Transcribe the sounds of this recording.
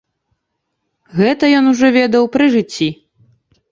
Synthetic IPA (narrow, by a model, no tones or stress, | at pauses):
ɣɛt̪ɐjɔnuʐɔvʲɛd̪ɐwpɾɨʐɨt͡sʲːi